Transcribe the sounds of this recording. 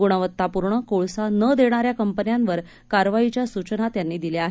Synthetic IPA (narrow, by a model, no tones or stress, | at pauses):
uɽ̃əʋət̪ːapuɾɳəkoɭsanəd̪eɽ̃aɾjakəmpənjanʋəɾ | kaɾʋait͡ɕjasut͡ɕənat̪janːiːd̪ileaɦ